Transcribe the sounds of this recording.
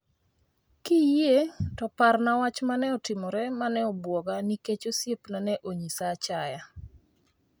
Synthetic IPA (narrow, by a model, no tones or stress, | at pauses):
kijetɔparnawat͡ʃmanɛɔtɪmɔɾɛmanɛɔbwɔɡaniket͡ʃosjepnanɛʔoɲisat͡ʃaja